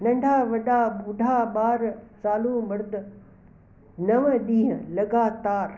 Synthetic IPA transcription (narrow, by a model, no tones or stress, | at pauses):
nɐ̃ɳɖʱaʋɐɗaʊɖʱaːɓaːɾsaːlũmɐɾd̪ | nɐʋəɗ̪ĩːɦəlɐɡaːt̪aːɾ